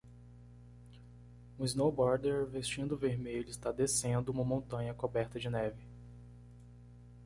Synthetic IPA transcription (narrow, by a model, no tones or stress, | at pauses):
ũiznowbɔɾd̪eɾvest͡ʃĩnd̪ʊveɾmeʎʊist̪ad̪esẽnd̪ʊũmɐmõnt̪ɐ̃ɲɐkobɛɾt̪ɐd͡ʒɪnɛvɪ